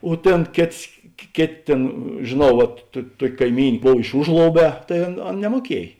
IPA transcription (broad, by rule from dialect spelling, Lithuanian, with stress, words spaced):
oː ˈtʲeːn ˈkʲeːts kʲeː ˈkʲeːˌtʲeː ˈtʲeːn ʒʲeːˈnɐʊ ʋɐt tʊ ˈtuɔkʲ kɐɪˈmʲiːnʲ ˈboːw ɪʃ ˈʊʒlˠoːʊˌbʲɛː tɐɪ ˈɐn ˈɐn nʲɛmuɔˈkʲiɛj